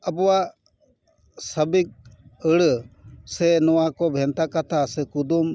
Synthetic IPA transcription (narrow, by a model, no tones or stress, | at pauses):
əbɔwa | səbik̚əɽsɛnɔwakɔbʱɛnt̪akat̪ʰasɛkud̪um